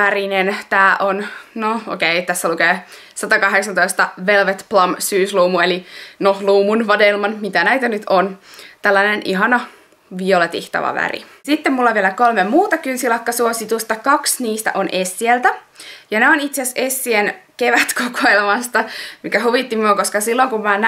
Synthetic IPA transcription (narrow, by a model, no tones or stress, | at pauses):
ʋærinent̪æːʔonnoo̰keit̪æsːælukeː | sɑt̪ɑkɑɦeksɑnt̪oist̪ɑʋelʋet̪plɑmsyːsluːmuelinoluːmunʋɑdelmɑnmit̪ænæit̪ænyt̪ʰont̪ælːɑnenʔiɦɑnɑ | ʋiolet̪iht̪ɑ̰ʋɑ̰ʋæ̰ɾḭ | sit̪ːemulːɑʋielækolmemuːt̪ɑkynsilɑkːɑsuosit̪ust̪ɑkɑksniːst̪æ̰ʔonesːielt̪æ | jɑneonit̪seæsesːienkeʋæt̪kokoelmɑst̪ɑmikæɦuʋit̪ːimyokoskɑsilːoŋkummæn